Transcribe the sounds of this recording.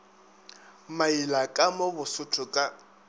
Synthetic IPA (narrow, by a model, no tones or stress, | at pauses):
mailakʼamobʊsʊtʰʊkʼa